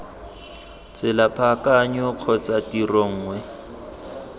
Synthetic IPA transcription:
t͡sɪlapʰʼakaɲɔq͡χʰɔt͡satirɔŋ̩ːŋwɛ

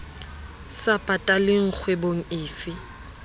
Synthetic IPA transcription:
sapʼatʼalɪŋ̩k͡xʰweboŋ̩ɪːfɪ

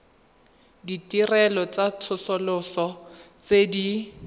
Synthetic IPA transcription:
ditʼirɛlɔt͡sat͡sʰʊsɔlʊsɔt͡sedi

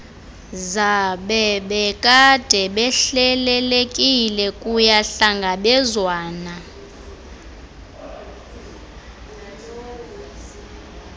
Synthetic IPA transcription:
zaɓɛɓɛkʼad̥ʱɛɓɛɬɛlɛlekʼilɛkʼujaɬaŋɡʱaɓɛzwaːna

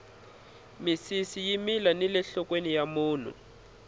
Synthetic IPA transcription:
misisijimilanilɛɬɔkwenijamuːn̤ṵ

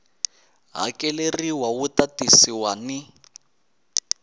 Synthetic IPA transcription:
ɦa̰kɛleriwawutatisiwani

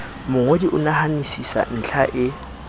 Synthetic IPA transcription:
mʊŋodiʔʊnahanisisa̰n̩t͡ɬʰaʔɪ

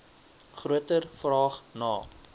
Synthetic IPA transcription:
χruətərfrɑːχnɑː

